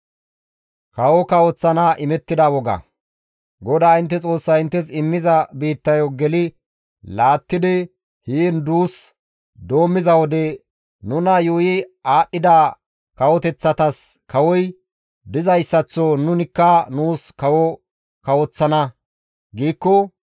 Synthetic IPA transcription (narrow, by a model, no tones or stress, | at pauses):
kɐwɔkɐwɔt͡sːɐnaʔɪmɛt̪ːɪd̪ɐwɔɡɐ̰ | ɡɔd̪aːɪnt̪ːɛt͡sʼo̞ːsːɐɪnt̪ːɛsɪmːɪzɐbiːt̪ːɐjoɡɛlɪ | laːt̪ːɪd̪ɪ | hiːnd̪uːs | d̪o̞ːmːɪzɐwɔd̪ɛ | nʊnɐjuːjɪaːɗːɪd̪aː | kɐwɔt̪ɛt͡sːɐt̪ɐs | kɐwɔj | d̪ɪzɐjsːɐt͡sːɔnʊnɪkːɐnuːskɐwɔ | kɐwɔt͡sːɐnɐ | ɡiːkːɔ